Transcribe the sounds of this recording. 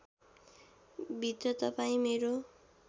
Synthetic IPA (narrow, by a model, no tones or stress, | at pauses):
bʱit̪rʌt̪ʌpaĩmeɾo